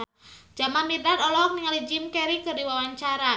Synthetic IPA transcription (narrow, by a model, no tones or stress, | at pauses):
d͡ʒ̥amanmidat̪ɔlɔk̚niŋalid͡ʒimkɛɾikɨrdiwawaɲt͡ʃaɾa